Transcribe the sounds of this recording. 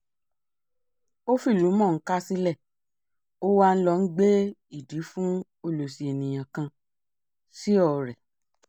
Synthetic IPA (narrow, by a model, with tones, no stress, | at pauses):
o˦fi˦˨lu˨˦mɔ̃˦˨ŋ̩˦ka˦si˦lɛ˦˨ | o˦wa˧n̩˦lɔ˧n̩˦ɡ͡be˦i˦˨di˨˦fũ˦ | o˧lo˨si˨e˨nĩ˨j̃ã˨kã˧ | si˦ɔ˦˨ɾɛ˨